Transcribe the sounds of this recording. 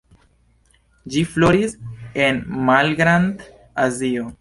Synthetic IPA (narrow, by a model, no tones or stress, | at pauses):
d͡ʒifloɾise̞nmalɡɾand̪ | azio